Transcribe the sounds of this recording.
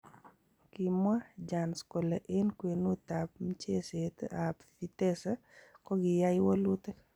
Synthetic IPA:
ki˨mwa˦d͡ʒa˨nsko˨laʔe˦nkwe˨nu˦t̪a˨p̚m˦t͡ʃe˦set̪apfit̪e˦sa | kɔ˦ɡɪja˦jwa˦lu˦t̪e˦

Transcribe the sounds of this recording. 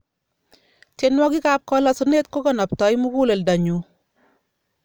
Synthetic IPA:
t͡ʃe˨nwɔ˦kɪ˦ka˨p̚kɔlɔ˨sune˦t̚ko˦kɔ˨nɔ˨p̚tɔ˨˦jmu˦ku˦le˨lda˨ɲu˨

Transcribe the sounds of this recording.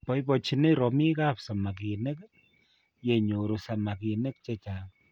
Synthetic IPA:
pɔ˦jpɔ˨t͡ʃi˨ne˦ɾɔ˨mi˦ka˦psa˨ma˨ki˨ne˦k | je˨ɲo˨ɾo˨sa˨ma˨ki˨ne˦k̚t͡ʃɛ˦t͡ʃa˨

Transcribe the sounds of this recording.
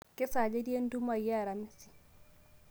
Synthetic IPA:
kɛ˦sa˨d͡ʒe˦di˦ɛ˦ndu˦ma˨ja˦ɾa˨mi˦si̥˨

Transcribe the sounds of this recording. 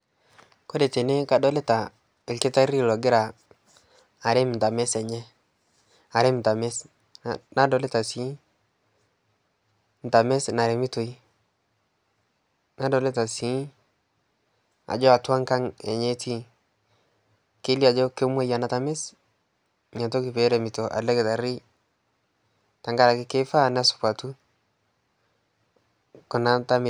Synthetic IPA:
ko˦de˨te˨ne˦ka˨dɔ˦le˦ta˨ | ɪ˨lkɪ˦ta˦ɾi˦lɔ˨ɡɪ˦ɾa˨ | a˨ɾe˦m˨n˨ta˨me˦sɛ˨ɲɛ˦ | a˨ɾɪ˦m˨ta˨me˦s | na˦dɔ˨le˦ta˨si˨˦ | n˨ta˨me˦sna˨ɾe˨mi˦to˨i˦ | na˦dɔ˨le˦ta˨si˨˦ | a̰˨d͡ʒɔ˦a˨twa˦ŋka˦ŋɛ˨ɲe˦tʰi˦ | ke˦li˦a˨d͡ʒɔ˦ke˦mwa˦ja˨na˦ta˨mɛ˦s | ɲa˨to˦ki˨pe˨˦ɾɛ˨mi˨to˨ʔa̰˨lɛ˦kɪ˨ta˨ɾi˦ | ta˨ŋɡa˦ɾa˨kɪ˦ke˦fa˦˨n˦a˦sʊ̥˨pa˨tu˦ | kʊ˨na˦nta˦mɪ˨

